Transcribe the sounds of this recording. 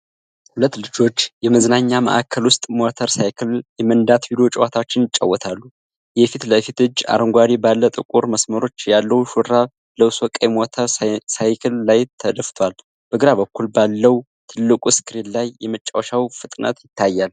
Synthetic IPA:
hulət̪ːlɨd͡ʒo̞t͡ʃːjɛməznaɲːamə̰ʔa̰kʰːəlwʊst̪ʼmot̪ʰəɾsajkʰɨljɛmənd̪at̪bilo̞t͡ʃʼɪwat̪ʰat͡ʃːɪnɪt͡ʃʼːə̰wːɔt̪ʰalːu | jɛfit̪ləfit̪ɨd͡ʒa̰ɾəŋɡʷaɾibalːət̪ʼɨkʼuɾməsməɾo̞t͡ʃːjalːəwʃuɾɾa | ləwswɔkʼajmot̪ʰəɾsajkʰɨlːajt̪ʰəd̪əft̪ʰwal | b̥əɡɨɾaβəkːulbalːəw | t̪ʰɨlːɨkʷʼuskʰɨɾinlajːɛmət͡ʃʼːawʃawfɨt̪ʼnʔə̰t̪jɪt̪ʰːajːal

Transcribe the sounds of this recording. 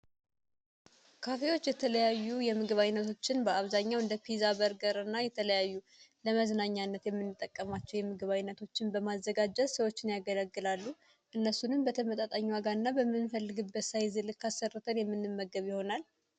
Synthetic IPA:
kʰafe̞wo̞t͡ʃːjɛt̪ʰələjajːujɛmɨɡɨβajnːət̪ʰo̞t͡ʃːɪnbəaβzaɲːawɨnd̪əpʰizabəɾɡəɾɨnːajɛt̪ʰələjajːu | ləməznaɲːanːət̪jɛmːɨnːɨt̪ʼːəkʼːəmat͡ʃːɛwjɛmɨɡɨβajnːət̪ʰo̞t͡ʃːɪnbəmazːəɡad͡ʒɛt̪səwo̞t͡ʃːɪnjaɡələɡːɨlalːu | ʔɨnːəsunɨmbət̪ʰəmət̪ʼat̪ʼaɲːwaɡaɾɨnːabəmːɨnfəlːɨɡɨbːət̪sajzɨlɨkʰːasːərɨt̪ʰənjɛmːɨnːɨmːəɡəβjɪho̞nal

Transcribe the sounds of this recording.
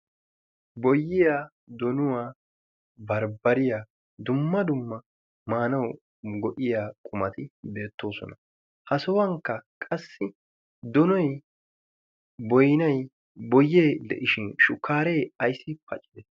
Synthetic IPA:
bɔjːɪja | d̪ɔnʊwaː | bɐɾbɐɾɪjaː | d̪ʊmːɐd̪ʊmːɐ | maːnɐw | ɡɔʔɪjaːkʼʊmɐt̪ɪbe̞ːt̪ːo̞ːsɔ̰nɐ | hɐsɔwɐŋkːɐkʼɐsːɪ | d̪ɔnɔj | bɔjnɐj | bɔjːeːd̪ɛ̰ʔɪʃɪnʃʊkːaːɾe̞jɐjsːɪpɐ̰t͡ʃʼːɪd̪ɛ

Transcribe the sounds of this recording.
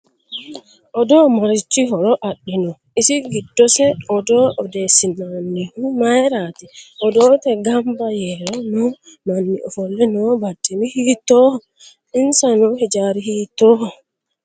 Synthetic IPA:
ʔɔdɔmaɾit͡ʃːiɦɔɾɔʔaɗːinɔ | isiɡidːɔsɛɔdɔʔɔdɛsimanːihumajɾatiʔɔdɔtɛɡambajɛɾɔnɔ | manːiʔɔfɔlːɛnɔbatːimihitɔhɔ | insanɔhɛd͡ʒaɾihiːtɔhɔ

